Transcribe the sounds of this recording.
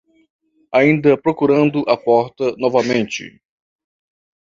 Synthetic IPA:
aĩnd̪ɐpɾokuɾɐ̃nd̪ʊʔɐpɔɾt̪ɐnɔvɐmẽnt͡ʃɪ̰

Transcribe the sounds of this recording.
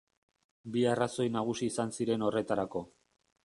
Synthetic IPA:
biaraso̞jnaɣ̞usiːsansiɾe̞no̞re̞t̪aɾako̞

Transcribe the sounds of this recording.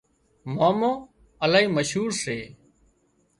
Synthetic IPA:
mãːmõː | əlaːiːməʃɦuːɾseː

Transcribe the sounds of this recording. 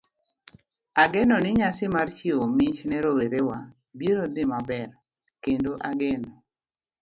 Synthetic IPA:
aɡɛnɔnɪɲasɪmart͡ʃiomiɲt͡ʃnɛɾoweɾewa | biɾod̪ɪmabɛr | kendoʔaɡɛnɔ

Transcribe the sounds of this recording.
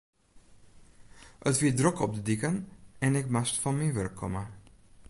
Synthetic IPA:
ətʋidrɔkɔb̚dədikənɛnɪkmastfɑnminʋœrkʰːɔ̰mə

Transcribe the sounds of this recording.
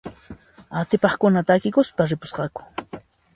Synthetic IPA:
at̪ɪpɑχkʊnat̪aːkɪkʊspaɾɪpʊ̥sqɑkʊ̥

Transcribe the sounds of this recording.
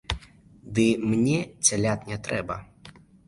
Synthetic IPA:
d̪ɨmnʲɛt͡sʲalʲat̪nʲɛt̪ɾɛbɐ

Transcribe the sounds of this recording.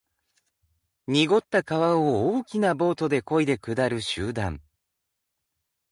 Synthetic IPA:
ɲ̟iɡo̞t̪ːakaβaooːkʲinabo̞ːt̪o̞d̪e̞ko̞id̪e̞kɯ̟d̪aɾɯ̟ɕɨːd̪ãŋ

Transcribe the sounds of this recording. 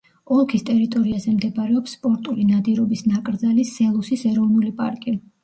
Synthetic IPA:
ɔlˠkʰist̪ʼɛɾit̪ʼɔɾiazɛmd̪ɛbaɾɛɔpsːpʼɔɾt̪ʼulinad̪iɾɔbisnakʼɾd̪zalisɛlˠusisɛɾɔvnulipʼa̰ɾkʼi

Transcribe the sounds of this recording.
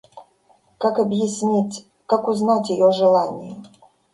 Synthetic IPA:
kakɐbjɪsʲnʲi | kakʊznatʲjɪjɔʐɨlˠanʲɪjɛ

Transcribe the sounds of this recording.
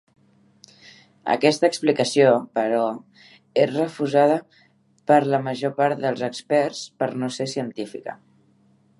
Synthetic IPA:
ə̰kɛst̪əksplikəsiopəɾɔ | esrəfuzaðə | pəɾləməʒopaɾt̪̚d̪əlˠzəkspɛrspəɾnosesiənt̪ifikə̰

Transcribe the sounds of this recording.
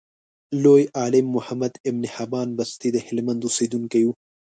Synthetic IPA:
loːjaːlɪmːʊhɐmɐd̪ɪbnihɐbɑːnbɐst̪id̪ɐhɪlmɐ̃nd̪usiːd̪unkɐju

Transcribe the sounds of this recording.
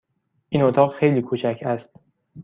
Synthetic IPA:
ʔiːnot̪ʰɒːɣxejliːkʰuːt͡ʃʰæcʰæst̪̚

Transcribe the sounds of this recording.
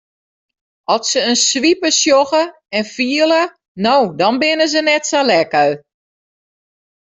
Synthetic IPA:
ɔlˠsəənsʋipəsjoɣə | ɛnfiələ | nowdɔnbɪnəzənɛtsalɛkəɥ

